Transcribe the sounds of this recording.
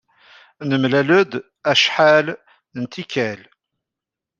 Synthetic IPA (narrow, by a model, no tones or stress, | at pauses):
nəmlæləd̪ | æʃħal | nt̪ʰikʰæl